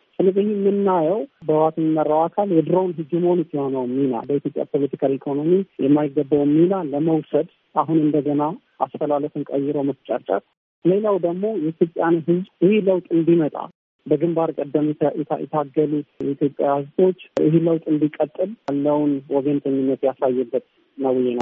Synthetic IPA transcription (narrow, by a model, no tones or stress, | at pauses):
sʼɨlɨbɨhimːɨnːajɛwbəwat̪ʰəɲːɪmːərːawakʰaljɛd̪ɨɾəwnɦɨd͡ʒːɪməhonut̪jɛho̞nəwmːihna̰lbəit̪jo̞pʼja̰pʰo̞lət̪ʰikʰalikʰo̞no̞mijɛmːajɪɡːəbːawmihnalːəməwsəd̪ | ʔaɦunɨnd̪əɡəna | ʔast̪ʰəlaləfɨŋkʼəjːɪɾəwməst͡ʃʼa̰t͡ʃʼːɾ | le̞lawd̪əɡmo̞jɛit̪ʰjo̞pʼːjanɦɨzʔɪheləwt̪ʼɨnd̪imət̪ʼa̰ | bəɡɨmbaɾkʼəd̪ːəmuɛ̰jɛ̰t̪ʰaɡəlut̪it̪jo̞pʼjahɨzt̪ʰʼo̞t͡ʃːʔɨ̰ɦeləwt̪ʼɨnd̪ikʼət̪ʼːɨljalːəwnwɔɡənt̪ʰəɲːɪnːət̪jasajːɛbːət̪ | nəwɨjːɛna̰